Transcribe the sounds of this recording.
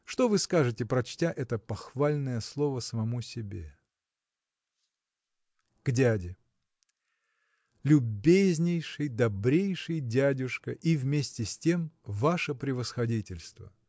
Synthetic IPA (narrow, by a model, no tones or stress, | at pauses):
ʂt̪o̞vɨskaʐɨtʲɪpɾɐt͡ɕtʲaʔɛt̪əpɐxvalʲnəjəslˠo̞vəsəmɐmusʲɪbʲḛ | ɡ̥dʲædʲɪ | lʲʊbʲezʲnʲɪjʂɨjd̪ɐbɾʲejʂɨjdʲædʲʊʂkəʔivmʲesʲtʲɪsʲtʲe̞mvaʂəpɾʲɪvəsxɐdʲitʲɪlʲst̪və̰